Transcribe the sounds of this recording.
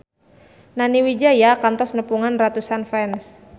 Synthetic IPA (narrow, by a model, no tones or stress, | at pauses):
naniwid͡ʒajakant̪ɔsnəpuŋanrat̪usanfɛns